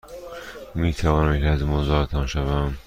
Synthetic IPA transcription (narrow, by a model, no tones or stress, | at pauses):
miːt̪ʰævɒːnæmkæzmozɒːt̪ʰɒnʃævæm